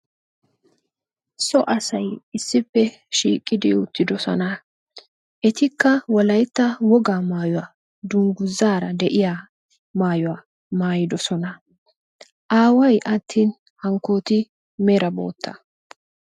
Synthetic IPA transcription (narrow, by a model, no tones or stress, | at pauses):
sɔʔɐsɐjɪsːɪpːɛ | ʃiːkʼːɪd̪ɪ̰ʊt̪ːɪd̪ɔsɔ̰nɐ | ʔɛt̪ɪkːɐwɔlɐjt̪ːɐwɔɡaːmaːjɔwaː | d̪ʊŋɡʊzːaːɾɐd̪ɛʔɪja | maːjɔwaː | maːjɪd̪ɔsɔnɐ | ʔaːwɐjʔɐt̪ʰːiːn | hɐŋkːoːt̪ɪ | mɛɾɐbo̞̰ːt̪ʰːɐ